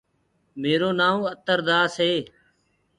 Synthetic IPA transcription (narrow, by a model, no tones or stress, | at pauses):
meːɾoːnaːõːət̪əɾd̪aːseː